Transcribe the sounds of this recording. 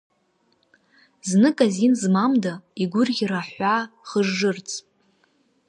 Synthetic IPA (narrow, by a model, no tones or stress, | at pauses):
znɨkʼazinzmamdaiɡʷʊrɡʲiraħʷaχəʐːɨrt͡sʼ